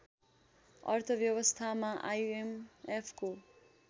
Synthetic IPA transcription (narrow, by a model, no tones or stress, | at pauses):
ʌ̰rt̪ʰʌbjʌwʌst̪ʰamaʔajemepʰko